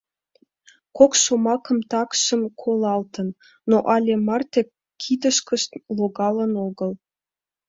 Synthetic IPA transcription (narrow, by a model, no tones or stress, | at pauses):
kokʃomɑkə̆mt̪ɑkʃə̆mkʰolɑlt̪ənː | oʔɑlʲemɑrt̪ek̚ | kʰid̪əʃkəʃt̪loɡɑlənoɡəl